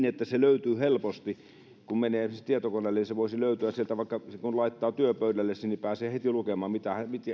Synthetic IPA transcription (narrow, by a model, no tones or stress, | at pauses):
net̪ːæseløyt̪yːhelpost̪i | kummeneːt̪iet̪okonelːeniseʋoˑisiløˑyt̪yæsielt̪æʋɑˑikːɑsekunlɑˑit̪ːɑːt̪yøpøydælːessinipæːseːhet̪ilukemɑːmmit̪æhæmit̪